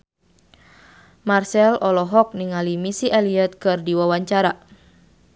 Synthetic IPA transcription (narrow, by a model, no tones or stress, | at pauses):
marsɛlʔɔlɔɦɔk̚niŋalimisiʔɛliɛt̪̚kɨrdiwawaɲt͡ʃaɾa